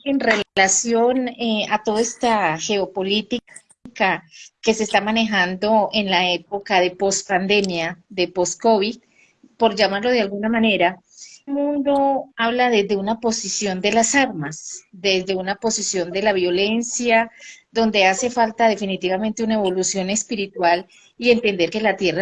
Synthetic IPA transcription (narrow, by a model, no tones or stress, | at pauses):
enre̞llasjo̞neat̪o̞ðoest̪axe̞o̞po̞lit̪ik | kake̞se̞ːst̪amane̞xand̪o̞e̞nlae̞po̞kaðe̞po̞spand̪e̞mjaðe̞po̞sko̞βið | po̞ɾd͡ʒamaɾlo̞ð̞e̞alɡunamane̞ɾa | mũnd̪o̞aβlaðe̞zd̪eunapo̞sisjo̞nd̪e̞lasaɾmasd̪e̞zd̪e̞unapo̞sisjo̞nd̪e̞laβjo̞le̞nsjad̪o̞nd̪e̞ase̞falt̪aðe̞finit̪iβamẽ̞nt̪eunaeβo̞lusjo̞ne̞spiɾit̪wal | ie̞nt̪e̞nd̪e̞ɾke̞lat̪je̞ra